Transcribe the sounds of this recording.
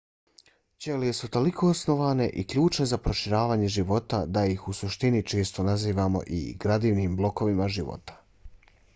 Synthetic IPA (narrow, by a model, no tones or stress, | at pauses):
t͡ɕelejesut̪o̞likʰo̞osno̞ʋaːne̞ʔikʎuːt͡ʃne̞zapɾo̞ʃiɾaːʋaːɲe̞ʒiʋo̞t̪ad̪ajixusuʃt̪init͡ʃe̞ːst̪o̞naziːʋamo̞̰ʔḭɡɾad̪iːʋniːmblo̞ko̞ʋimaʒiʋo̰t̪ḁ